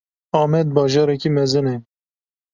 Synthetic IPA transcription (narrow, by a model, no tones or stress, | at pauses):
ɑːmɛd̪̚bɑːʒɑːɾɛkiːmɛzɨne